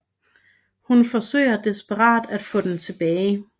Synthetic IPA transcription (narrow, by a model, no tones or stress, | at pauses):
hunfɒ̽sø̰ɪɐd̥esb̥əʁɑ̰̈ːd̥æd̥fɔ̽ːd̥ent͡sʰe̝b̥ɛːɪ